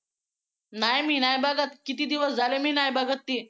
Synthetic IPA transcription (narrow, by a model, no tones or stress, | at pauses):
najmiːnajbəɡət̪kit̪iːd̪iʋəsd͡zalemiːnajbəɡət̪ːiː